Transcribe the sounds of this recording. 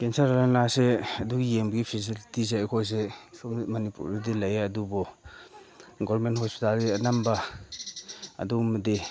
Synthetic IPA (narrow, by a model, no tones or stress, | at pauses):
kensaɾalannaseɐduɡijeŋmbɐɡipʰis̬ilitiz̬eakʰojs̬esɔmɐnipṵɾidilajaɐdubɔ | ɡɔɾmenthospi̥taldiɐnamba | ɐ̰dumɐdi